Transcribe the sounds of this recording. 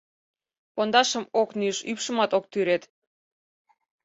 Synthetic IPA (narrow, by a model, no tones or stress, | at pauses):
pond̪ɑʃəmoknyʃypʃə̆mɑt̪ok̚t̪yɾet̪